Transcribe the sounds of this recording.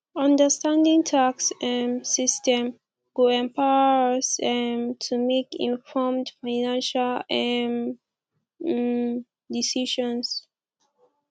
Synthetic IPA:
ãndəstãndĩŋtʰaksɛmsistɛ̃m | wuɛ̃mpaəsɛmtʰumekḭ̃nfɔmdfaɪnãnʃalɛm | disiʃɔ̃ns

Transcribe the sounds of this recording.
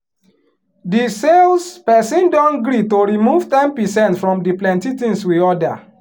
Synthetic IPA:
diselspɛsĩndɔ̃nɡɾitoɹimuv̥tɛ̃npisɛ̃ntfɹɔ̃mdiplɛ̃ntitĩŋswiɔda

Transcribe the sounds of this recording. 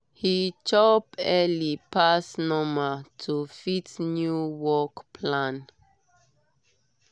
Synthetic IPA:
hit͡ʃɔpɛlipʰasnɔmətʰufitnjuwɔkpʰlãn

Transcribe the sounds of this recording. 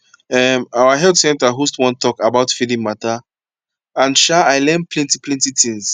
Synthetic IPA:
ɛmawaɦɛltsɛ̃ntaɦustwɔ̃ntʰɔkabaʊtfidĩŋmata | ãnʃaaɪlɛ̃nplɛ̃ntiplɛ̃ntitĩŋz

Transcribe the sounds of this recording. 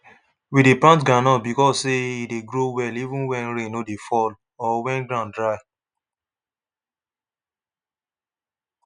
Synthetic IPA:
widepɹãntɡãnɔt̚bikɔssːeideɡɹowɛlivũnwɛ̃nɹẽnodefɔl | ɔwɛ̃nɡɹãndɹaɪ

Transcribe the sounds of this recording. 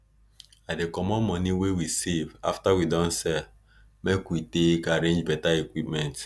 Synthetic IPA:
adekɔmɔ̃nmɔniwewiseva̰ftawidɔ̃nsɛ | mekwitekaɾẽnd͡ʒbɛtaekʷwip̚mɛ̃nt

